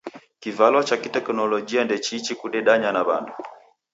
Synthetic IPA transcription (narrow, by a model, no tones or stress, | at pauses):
kivalwat͡ʃakitɛknɔlɔd͡ʒiandɛt͡ʃit͡ʃikuɗɛɗaɲanaβa̰ndu